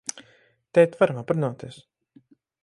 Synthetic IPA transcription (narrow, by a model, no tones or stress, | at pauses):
t̪ɛjt̪vaɾamapɾnɔːt̪is